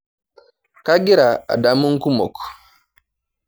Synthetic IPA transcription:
ka˦ɡi˦ɾa˨a̰˨da˨˦mu˦ŋ˦ku˦mɔ̰˨k

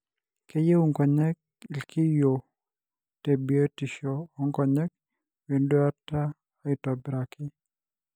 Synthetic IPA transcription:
ke˦je˦u˦˨ŋkɔ˨ɲɛ˦k̚ɪ˨lkʰɪ˦jo˨ | te˨bi˨e˦ti˨ʃɔː˨˦ŋkɔ˨ɲɛ˦k̚ | we˨ndo˦a˦taː˦ | ɪ˨tɔ˨bɾa˨kɪ˦

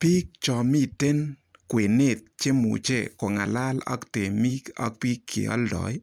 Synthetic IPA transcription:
pi˦k̚t͡ʃɔ˨mi˦te˦nkwe˨ne˨t̪̚t͡ʃe˦mṵ˨t͡ʃḛ˨ko˨ŋa˨la˦lɔ̰˦kte˨mi˦kɔ̰˦k̚pi˦kʰːḛ˨ɔ̰˦ldɔ̰˨j

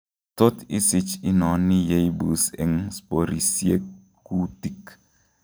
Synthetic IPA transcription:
to˦tḭ˦sɪ˦t͡ʃi˦nɔ˨ni˦je˦i˦bu˨sḛ˨ŋspo˨ɾi˨sje˦ | kːu˦ti˨k

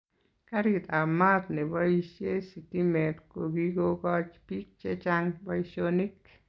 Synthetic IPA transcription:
ka˦ɾit̪a˨mat̪nɛ˨baiʃje˦siti˦mɛ˨tko˨ɡi˦ɡo˦ɡɔt͡ʃpik̚t͡ʃe˦t͡ʃaŋba˦isoni˦k

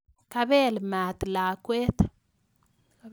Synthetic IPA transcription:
ka˦βe˦lma˨t̪la˨kweː˦t̪ḁ

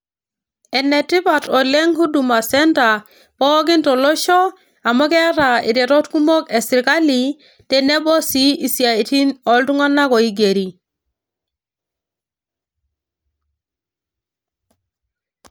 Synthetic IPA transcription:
ɛ˨ne˨ti˦ba˨tɔ˨le˦ŋhu˦du˨ma˨sɛ˦nta˨ | pɔ˦ɡ̬i˦ntɔ˨lɔ˦ʃɔ˦ | a˨mɔ˦kɛ˦ɾa˨ḭ˨ɾe˨ɾɔ˦tku˦mo˦ke˨si˨ɾka˦li˨ | tɛ˨ne˦bɔ˦si˦i˨si˨a˨i˨ti˦nɔ˨ltu˦ŋa˦nːa˦kɔ˨i˦ɡe˨ɾi˨

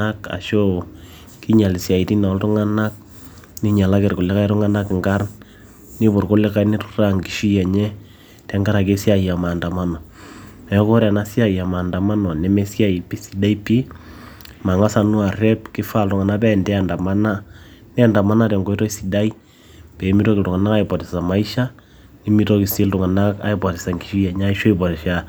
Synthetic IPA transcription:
a˦ka̰˨ʃo˦ | ki˦ɲa˨li˨sja˨i˨ti˦na˨˦ltʊ˦ŋa˦na˦k̚ | ni˦ɲa˨la˦kɛ˨rkʊ˨lɪ˦ka˦i˦tʊ˦ŋa˦na˦kŋɡa˦r | ni˦bʊ˨rkʊ˦lɪ˦ka˦jni˦tʊ̥ra˦ŋɡi˨ʃi˦ja˨ɲɛ˦ | tɛ˦ŋɡa˦ɾa˨k̬e˦sja˨ja˨ma˨nda˨ma˦nɔ˨mɛ˨˦ko˦ɾa˨na˦sja˦ja˨maː˨nda˨ma˦nɔ˨nɛ˨˦mɛ˦sja˦˨i˨pi˦si˨da˦i˦pi˦ | ma˨ŋa˦sa˨nu˦a˨rɛ˦pkɪ˦fa˦ltʊ˨ŋa˨na˦pɛ˦ndɛ˦a˨nda˨ma˦na˦nɛ˦a˦˨nda˨ma˦na˦tɛ˨ŋɡo˦tɔ˦isi˨da˦i˦ | pɛ˨˦mi˦tɔ˦kɪ˨tʊ˨ŋa˨na˦ka˦ipɔ˨tɪ˨sa˨ma˨i˦ʃa˦ | ni˦mi˦to˦kɪ˨sɪ˦ltʊ˨ŋa˨na˦ka̰˨i˦pɔ˨tɪ˨sa˨ŋɡi̥˨ʃi˦ja˨ɲ˦a˦i˦ʃɔ˦ipɔ˨ɾi˨ʃa

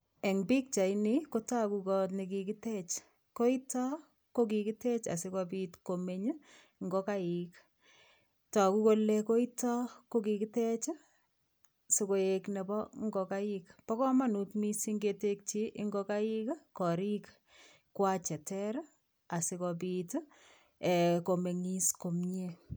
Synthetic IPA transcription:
e˨ŋbi˦k̚t͡ʃa˨ɪnɪko˦ta˦kukɔni˨kiki˦tɛ˦t͡ʃ | ko˦i˦tɔ˦ | ko˦k̬i˧kitɛ˦t͡ʃa̰˨sɪ˦kɔp̬itkome˦ɲ˦ | ŋɡo˦ka˦ɪk | ta˨ku˦ko˦leko˦i˦tɔ˦ko˦ki˧kitɛ˦t͡ʃ | si˨ko˨e˨knɛ˨bɔ˦ŋɡo˨ka˦ɪkpɔ˦kɔ˦ma˦nu˨tmi˦si˦ŋɡe˦te˦k̚t͡ʃiʔɪ˦ŋɡɔ˦ka˦ikkɔ˨ɾik | kwa˦t͡ʃɛ˨tɛɾ | a˨sɪ˦kɔp̬it | ɛ˨ko˨me˨ŋi˦sko˨mɲe˦

